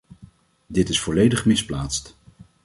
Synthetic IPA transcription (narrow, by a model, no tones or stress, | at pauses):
dɪtɪsfɔlejdəχmɪsplaːtst